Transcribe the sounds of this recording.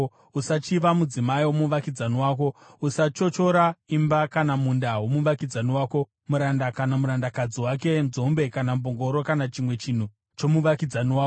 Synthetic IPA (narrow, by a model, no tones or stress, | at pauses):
usat͡ʃiʋamud͡zimaiwomuʋakid͡zaniwaːk̬o̞usat͡ʃo̞t͡ʃo̞ɾaimbakanamundawomuʋakid͡zaniwaːko̞ | muɾandakanamuɾandakad͡ziwak̬e̞nzo̞mbe̞kanamboŋɡo̞ɾokanat͡ʃimwe̞t͡ʃin̤u | t͡ʃo̞muʋakid͡zaniwaːko